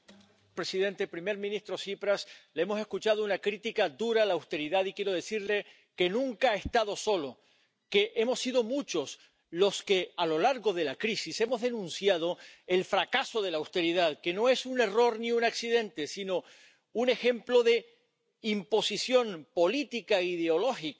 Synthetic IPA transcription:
pɾe̞sið̞e̞nt̪e̞pɾime̞ɾmĩnist̪ɾo̞sipɾasleemo̞se̞skut͡ʃað̞o̞unakɾit̪ikad̪uɾaːlaːwst̪e̞ɾiðaðikje̞ɾo̞ð̞e̞siɾle̞ | ke̞nũŋkaaest̪aðo̞so̞lo̞ | ke̞ʔe̞mo̞sːiðo̞mut͡ʃo̞s | lo̞ske̞alo̞laɾɣo̞ðe̞lakɾisise̞mo̞zðe̞nũnsjað̞o̞e̞lfɾakaso̞ð̞e̞lawst̪e̞ɾiðaðke̞no̞e̞sune̞ro̞ɾniunaksiðẽ̞nt̪e̞sino̞ | une̞xe̞mplo̞ðe̞ | impo̞sisjo̞mpo̞lit̪ikaiðeo̞lo̞xik

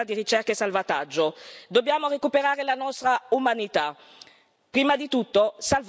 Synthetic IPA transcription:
ad̪iɾit͡ʃɛrkaesalvat̪ad͡ʒːod̪obːjaːmoɾekupeɾaːɾelanɔst̪ɾaumanit̪a | pɾiːmad̪it̪ut̪ːosalv

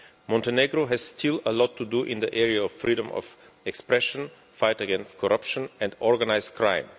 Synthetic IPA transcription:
mɔ̃ntəneɡɾoɦɛz̥stʰɪləlɔtʰːuduʔɪ̃nðəʔɛɹiaɔvfɹidə̃mɔ̰v | ɛkspɹɛʃə̃n | faɪtəɡɛ̃nst̚kʰɔɹʔʌpʃə̃nɛ̃ndɔɹɡənaɪzkʰɹã̰ɪ̃m

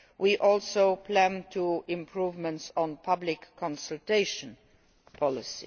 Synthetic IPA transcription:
wiʔɔlˠsoʊpʰlæ̃ntʰuɪ̃mpʰɹuvmə̃ntsɔ̃npʰʌblɪkʰːɔ̃nsəltʰeɪʃə̃n | pʰɔlɪsḭ

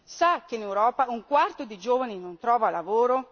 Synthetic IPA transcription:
sakːeinewɾɔːpauŋkwart̪od̪id͡ʒoːvaninont̪ɾɔːvalavoːɾo

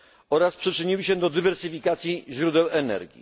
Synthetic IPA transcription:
ɔɾaspʂɘt͡ʂɘɲiwɘɕɛd̪ɔd̪ɘvɛɾsɘfʲikat̪sʲjiʑɾud̪ɛwɛnɛ̰ɾɡʲḭ

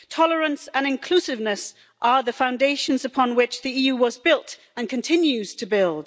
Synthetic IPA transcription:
tʰɒlˠəɹə̃nsə̃nɪ̃nkʰl̥ʉˑsɪvnəs | ʔəðəfãʊ̃ndeɪʃə̃nzəpʰɒ̃nwɪt͡ʃðiijʉːwʌzbɪlˠt | ə̃nkʰə̃ntʰɪ̃njʉz̥tʰəbɪlˠd̥

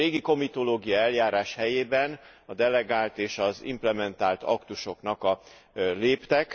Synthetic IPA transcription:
eːɡiko̞mit̪o̞loːɡijɒɛljaːɾaːʃhɛjeːbɛnɒd̪ɛlɛɡaːlt̪eːʃɒzḭmplɛmɛnt̪aːlt̪ɒ̰kt̪uʃo̞knɒkɒleːpt̪ɛk

